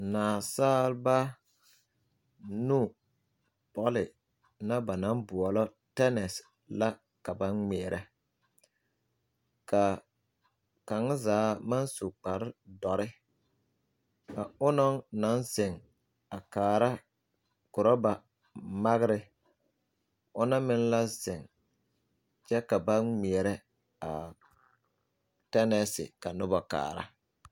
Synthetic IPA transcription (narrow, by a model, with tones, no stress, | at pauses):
naː˨saː˦lba˦ | nuː˦˨ | pɔ˦lɪ˨ | na˦ba˨na˨˦mbʊ˨ɔ˨lɔ˦ | tɛ˦nɛ˨s | la˦ | ka˨ba˦nŋɛ˨ɾʔɛ˦ | ka˨ | ka˨ŋ˦zaː˨˦ma˦nsu˨k͡pa˨ɾɪ˦dɔ˨ɾɪ˦ | ka˨ʊ˦nɔ˦ŋna˨˦nzɪ˨ŋ | a˨kaː˨ɾa˦ | kʊ˨ɾɔ˦ba˨ | ma˦ɣɪ˦ɾɪ˦ | ʊ˦na˦mɪ˦nla˦zɪ˨ŋ | t͡ʃɛ˦ka˨ba˦mi˨ɛ˨ɾɛ˦ | a̰˨ | tɛ˦nɛ˦sɪ̰˨ka˨nʊ˦ba˨ka̰ː˨ɾa̰˦